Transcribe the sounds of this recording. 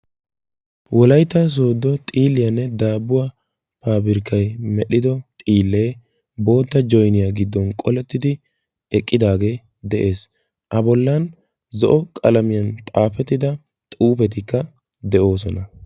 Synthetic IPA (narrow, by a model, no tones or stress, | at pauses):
wɔlɐjt̪ːɐs̬o̞ːd̪ːɔt̪ʼiːlːɪjɐnːɛd̪aːbːʊwa | paːbɪɾɪkːɐjmɛɗɪd̪ɔt̪ʼiːlːe̞ː | bo̞ːd̪ːɐd͡ʒɔjnɪjaɡɪd̪ːɔnkʼɔlɛt̪ːɪd̪ɪ | ɛkʼːɪd̪aːɡe̞ː | d̪ɛʔe̞ːs | ʔɐbɔlːɐn | zɔʔɔkʼɐlɐmɪjɐnt̪ʼaːfɛt̪ːɪd̪ɐ | t̪ʼuːpɛt̪̬ɪkːɐ | d̪ɛʔo̞ːs̬ɔnɐ